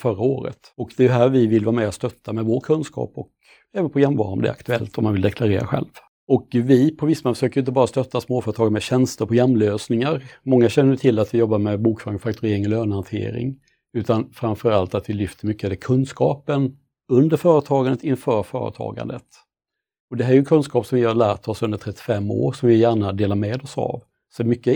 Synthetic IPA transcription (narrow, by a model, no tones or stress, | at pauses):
fœɾaoːɾə̰t̪ɔkd̪ɛɦæːɾvɪvɪlvaːɾmɛːat̪st̪œt̪ʰːamɛvoːʈkʰɵnskʰɑ̰ːpɔk | ɛːvənpʰɔjɛmvɑ̰ːɾamd̪ɛ̰a̰kt̪ɵɛlt̪ɔmanvɪld̪ɛkʰlaɾeːɾa̰ɧɛ̰lv | ɔkvɪpʰɔvɪsːmoːfəʂøːkəjɪnt̪əbɑːɾast̪œt̪ːasmoːfœɾət̪ʰɑːɡnmɛɕɛnst̪əɾpʰɔjɛmːløːsnɪŋaɾmɔŋːaɕɛnːəjət̪ʰɪlːat̪vɪjɔbːaɾmɛbuːkfœːɾɪŋfak̚t̪ʰɵɾeːɾɪŋɔløːnhant̪ʰḛːɾɪ̰ŋ | ʉ̟ːt̪anfɾanfœɾalt̪at̪vɪlʏft̪ʰəɾmʏkːəɛd̪ɛkʰɵnskɑːpən | ɵnd̪əɾfœːɾət̪ʰɑːɡand̪ət̪ɪnfœːɾfœ̰ːɾə̰t̪ʰɑ̰ːɡa̰nd̪ət̪ | ɔd̪ɛɦæɾjʏɛnkʰɵnskɑːpsɔmvɪhalæːʈʰɔsɵnd̪əʈʰɾɛt̪ːɪ̥fɛmːo̰ːɾsɔmvɪjæːɳad̪eːlamɛːd̪ɔsa̰v | sɔd̪ɛmʏkːə